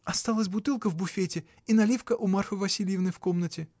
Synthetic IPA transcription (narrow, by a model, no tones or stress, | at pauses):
ɐst̪alˠəsʲbʊt̪ɨlˠkəvbʊfʲetʲɪ | inɐlʲifkəʔʊmarfɨvɐsʲilʲjɪvnɨjfkomnətʲɪ